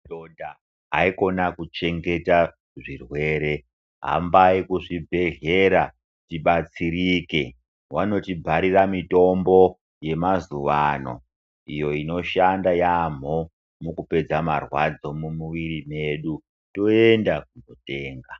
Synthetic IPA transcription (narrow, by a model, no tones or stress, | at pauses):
donda | ɦa̰iko̞nakut͡ʃe̞ŋɡe̞ta | ʐirwe̞ːɾe̞ | ɦa̰mbaikuʐibʱe̞ɮe̞ɾa | tiɓat͡siɾike̞ | wano̞tibʱaɾiramito̞mbo̞ | je̞mazuʋano̞̰ | ijo̞ino̞ʃandajam̤o | mukupe̞d͡zamarwad͡zo̞mumuʋiɾime̞ɗu | to̞endakunote̞ːŋɡa